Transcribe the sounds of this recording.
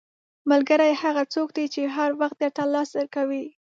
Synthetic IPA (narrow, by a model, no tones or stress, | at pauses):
malɡəɾajhaɣat͡sok̚d̪it͡ʃeɦaɾwaxt̪̚d̪et̪alɑsd̪əɾkawi